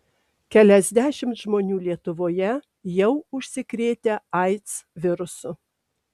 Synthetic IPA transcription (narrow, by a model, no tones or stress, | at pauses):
kʲɛlʲɛzʲd̪ʲæːʃʲɪmt̪ʒmoːnʲuːlʲiɛt̪ʊʋoːjɛ | jɛʊʊʃʲsʲɪkɾʲeːt̪ʲeɑɪt̪sʋʲɪɾʊsʊ